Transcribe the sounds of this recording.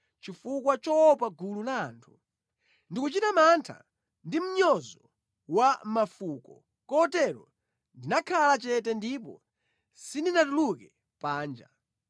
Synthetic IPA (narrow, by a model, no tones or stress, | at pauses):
t͡ʃifukwat͡ʃɔɔpaɡululaːntʰu̥ | ndikut͡ʃitamantʰa̰ | ndim̩ɲɔzɔ | wamafukɔ | kɔtɛɾɔ | ndinakʰalat͡ʃɛtɛndipɔ̰ | sininatulukɛ | paːnd͡ʒa